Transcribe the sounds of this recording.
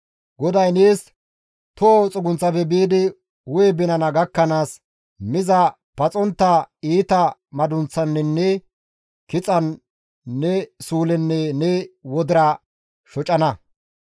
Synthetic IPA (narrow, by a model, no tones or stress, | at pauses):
ɡɔd̪ɐjneːs | t̪ot͡sʼʊɡʊnt͡sːɐfɛbiːd̪ɪ | wʊjɛbɪnɐnɐɡɐkːɐnaːs | mɪzɐ | pɐt͡sʼɔnt̪ːɐiːt̪ɐmɐd̪ʊnt͡sːɐnːɛnːɛ | kɪt͡sʼɐnː | ɛsuːlɛnːɛnɛwɔd̪ɪɾɐ | ʃɔt͡ʃʼɐnɐ